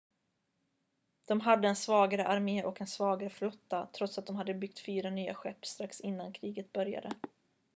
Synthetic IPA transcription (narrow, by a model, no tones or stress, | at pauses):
d̪̥ɔmɦad̪ːəɛnsvɑːɡaɾəʔaɾmeːʔɔkɛnsvɑːɡaɾəflɔt̪ːat̪ʰɾɔt̪sat̪̚ɔmɦad̪ːəbʏkt̪fyːɾanyːa̰ɧɛpːst̪ɾaksɪnːankʰɾiːɡət̪̚bœɾja̰d̪ə